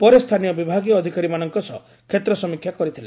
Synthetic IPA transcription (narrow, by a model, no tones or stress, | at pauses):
pɔɾest̪ʰanijɔbibʱaɡijɔːd̪ʱikaɾimanɔŋkɔsɔ̰ | kʰet̪ɾɔsɔmikʰjakɔɾit̪ʰile